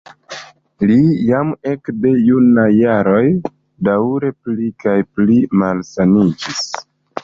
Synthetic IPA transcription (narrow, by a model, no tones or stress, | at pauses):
lijame̞kde̞junajaɾo̞j | daɾe̞plikajplimalsanid͡ʒis